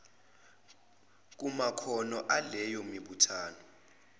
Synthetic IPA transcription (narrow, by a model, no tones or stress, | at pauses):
k̬ʼumakʰɔnɔʔalɛjɔmiɓutʰaːnɔ